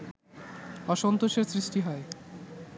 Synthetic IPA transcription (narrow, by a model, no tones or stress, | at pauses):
ɔʃont̪oʃeɾsɾiʃʈiɦɔe